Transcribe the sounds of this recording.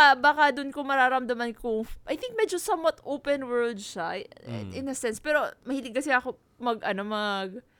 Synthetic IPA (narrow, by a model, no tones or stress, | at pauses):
abaːkɐd̪ʊnkʊŋmɐɾaːɾɐmd̪ɐmɐnkʊŋʔɐjθɪŋk̚mɛd͡ʒosɐmwat̪owpɛnwɛ˞ld̪̚ʃa̰ɪnɐsɛnspɛːɾo̞mɐhiːlɪɡ̚kɐsɪɐko | mɐɡɐnomɐɡ̚